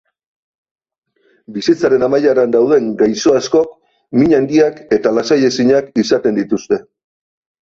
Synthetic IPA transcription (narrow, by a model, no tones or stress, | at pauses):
bisit͡saɾe̞namajaɾand̪awð̞e̞ŋɡajso̞asko̞k | miɲand̪iake̞t̪alasaje̞siɲakisat̪e̞nd̪it̪ust̪e̞